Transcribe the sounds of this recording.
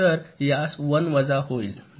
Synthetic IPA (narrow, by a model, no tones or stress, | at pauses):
əɾjasʋənʋəd͡zaɦoil